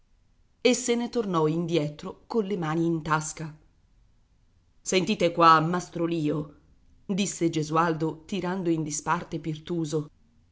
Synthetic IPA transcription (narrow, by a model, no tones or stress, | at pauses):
esːenet̪ornɔind̪jɛːt̪ɾokonlemaːniːnt̪aska | sent̪iːt̪ekwamːast̪ɾoliːo | d̪isːed͡ʒezuald̪ot̪iɾand̪oind̪ispart̪epirt̪uːzo